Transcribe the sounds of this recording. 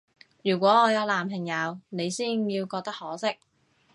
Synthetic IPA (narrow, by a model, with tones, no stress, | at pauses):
jyː˨˩kʷɔː˨˥ŋɔː˨˧jɐ˨˧wlaː˨˩mpʰɪ˨˩ŋjɐ˨˧wne˨˧jsiː˥njiː˧wkɔː˧k̚t̪ɐ˥k̚hɔː˨˥sɪ˥k̚